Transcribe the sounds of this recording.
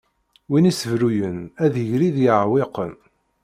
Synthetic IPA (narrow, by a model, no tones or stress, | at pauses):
winisəvɾujənæðəʝɾiðjəʕweqən